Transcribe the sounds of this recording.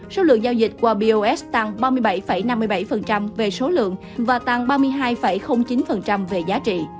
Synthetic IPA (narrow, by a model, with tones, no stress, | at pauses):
so˨˦lɨ̰˧˨əŋzaː˧wzï˨˩t̟̚kwaː˧ɓi˧ʔo˧ʔɛ˦˥t̪a˧˩ŋɓaː˧mɨ˧jɓa˧˩jfə˧˩jna˧mːɨ˧əjɓa˧˩jfə˨˩nt͡ɕa˧mve˨˩so˨˦lɨ̰˧˨əŋ | vaː˨˩t̪a˧˩ŋɓaː˧mɨ˧əjɦaː˧jfə˧˩jxə˧wŋ͡mt͡ɕi˨˦nfə˨˩nt͡ɕa˧mve˨˩zaː˨˦t͡ɕḭ˧˨